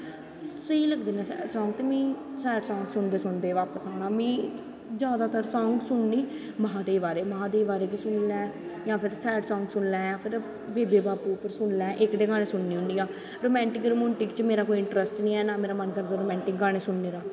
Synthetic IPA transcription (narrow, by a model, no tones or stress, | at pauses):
səiːləɡd̪eːnãːsɛ̰ːɖsɔːŋɡt̪eːmĩːsɛːɖsɔːŋɡsʊnd̪eːsʊnd̪eːʋaːpəsaːnaːmĩː | d͡ʒjaːd̪aːt̪əɾsɔ̃ːŋɡsʊɳniː | məɦãːd̪eːbaːɾeːməɦãːd̪eːbaːɾeːkisʊnlɛ̃ːjãːpʰɪɾsɛːɖsɔːŋɡsʊnlɛ̃ːjãːpʰɪɾ | ʋeːd̪eːbaːpuːpəɾsʊnlɛ̃ːʔɪkɖeːɡaːɽeːsʊɳniːɦʊɳɖiːaː | ɾoːmɛ̃ːɳʈɪkɾomʊɳʈɪkt͡ʃmeːɾaːkoːiɪɳʈɾəsʈnĩːɛːnaːmeːɾaːmənkəɾd̪aːɾoːmɛ̃ːɳʈɪk̚ɡaːɽ̃eːsʊɳneːɾaː